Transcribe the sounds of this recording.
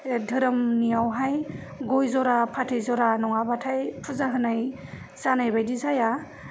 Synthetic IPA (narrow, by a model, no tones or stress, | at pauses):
dʱɯɾɯmnijawɦaj | ɡɔjzɔɾapʰatʰɯjzɔɾanɔŋabatʰajpʰuzaɦɯnaj | z̥anajbajdizaja